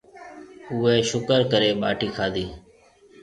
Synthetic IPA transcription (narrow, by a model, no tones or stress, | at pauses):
ʊːeːʃʊkəɾkəɾeːɓaːʈʰiːkʰaːd̪iː